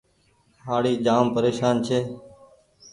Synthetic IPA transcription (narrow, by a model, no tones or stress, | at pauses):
ɦaːɽiːd͡ʒaːmpəɾeːʃaːnt͡ʃʰeː